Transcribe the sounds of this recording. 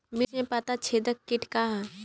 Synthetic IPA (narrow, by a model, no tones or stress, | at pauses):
mɪnẽpat̪at͡ʃʰeːd̪əkːɪʈʰkaɦa